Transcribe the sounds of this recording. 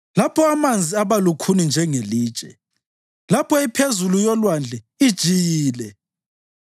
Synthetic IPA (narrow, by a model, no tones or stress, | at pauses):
lapʰɔamand͡zʱiaβalukʰunind͡ʒʱɛŋeliːd̥ʒ̥ʱʼɛ̰ | lapʰɔipʰezulujɔlwand͡ɮʱɛ | id̥ʒ̥ʱijiːlɛ